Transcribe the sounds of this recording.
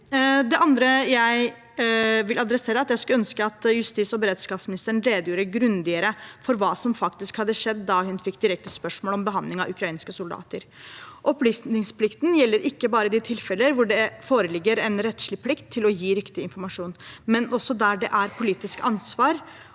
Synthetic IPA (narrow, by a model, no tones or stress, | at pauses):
d̪ɛʔɑnd̪ɾəjæɪ | ʋɪlɑd̪ɾɛseːɾəɑt̪jæɪskʉœnskəɑt̪jʉst̪iːsɔbəɾeːd̪skɑːpsmɪnɪst̪əɾəɳ̩ɾeːd̪juːɾəɡɾʉnd̪ɪəɾəfɔɾʋɑːsɔmfɑkt̪ɪskhɑd̪ːəʂɛd̪ːɑhʉnfɪkːd̪ɪɾɛk̚t̪əspœʂmoːlɔmbəɦɑnd̪lɪŋɑ̰ʉkʰɾɑiːnskəsʊld̪ɑ̰ːt̪əɾ | ʔɔplyːsɪŋspʰlɪkt̪njɛlːəɾʔɪkːəbɑːɾəd̪ɪt̪ʰɪlfɛləɾʋʊɖɛfoːɾəlɪɡːəɾɛnɾɛt̪ʂɭɪpʰlɪkt̪ʰːɪlɔjiːɾɪkt̪ɪɪnfɔɾmɑʂuːnmɛnɔsːɔd̪æɖɛʔæɾpʰʊliːt̪ɪskɑnsʋɑːɾ